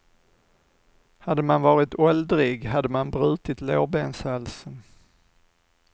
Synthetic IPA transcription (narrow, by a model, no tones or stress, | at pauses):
had̪ːəmanvɑːɾɪt̪ɔld̪ɾɪɡɦad̪ːəmanbɾʉ̟ːt̪ɪt̪loːbensalsən